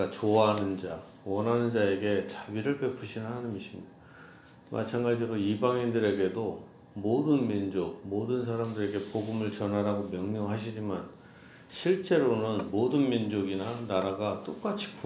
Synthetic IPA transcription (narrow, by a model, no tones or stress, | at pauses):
at͡ɕoaɦanɯnd͡ʑa | wʌnɦanɯnd͡ʑae̞ɡe̞t͡ɕabiɾɯɭpe̞pʰuɕʰinɯnɦanɯmiɕʰimɲida | mʔa̰t͡ɕʰanɡad͡ʑiɾoibaŋindɯɾe̞ɡe̞do | modɯnmind͡ʑok̚modɯns̬ʰaɾamdɯɾe̞ɡe̞poɡɯmɯɭt͡ɕʌnɦaɾaɡomjʌŋɲʌŋɦaɕʰid͡ʑiman | ɕʰiɭt͡ɕ͈e̞ɾonɯnmodɯnmind͡ʑoɡinanaɾaɡat͈ok͈at͡ɕʰi̥kʰ